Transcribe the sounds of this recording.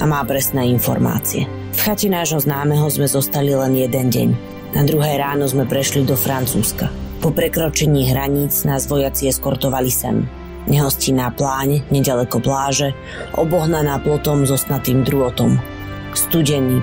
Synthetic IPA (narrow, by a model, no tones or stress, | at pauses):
ʔamaːpɾɛsnɛːinfɔ̰ɾma̰ːt͡siɛ | fxacɛnaːʒɦɔznaːmɛɦɔzmɛzɔst̪alilɛnjɛd̪ɛnɟɛ̰ɲ | nad̪ɾuɦɛːɾaːnɔzmɛpɾɛʃlid̪ɔfɾant͡suːskapɔpɾɛkɾɔt͡ʃɛɲiːɦɾaɲiːd͡znazʋɔjat͡siɛskɔɾt̪ɔʋalisɛ̰m | ɲɛɦɔscinaplaːɲɲɛɟalɛkɔplaːʒɛ | ʔɔbɔɦnanaːplɔt̪ɔmzɔst̪nat̪iːmd̪ɾuɔt̪ɔm | st̪uɟɛɲi